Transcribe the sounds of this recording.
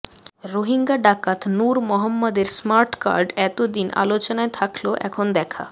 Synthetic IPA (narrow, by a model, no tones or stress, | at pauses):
ɾoɦiŋɡaɖakat̪nuɾmɔɦɔmːɔd̪eɾsmaɾʈka̰ɾɖɛt̪od̪ina̰lot͡ɕonaet̪ʰakloʔɛ̰kʰond̪ɛkʰa̰